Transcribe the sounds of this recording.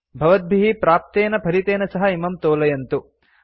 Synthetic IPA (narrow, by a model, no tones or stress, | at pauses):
bʱɐʋɐd̪̚bʱiɦipɾaːp̚t̪eːnɐpʰɐɾit̪eːnɐsɐɦɐimɐmt̪oːlɐjɐnt̪u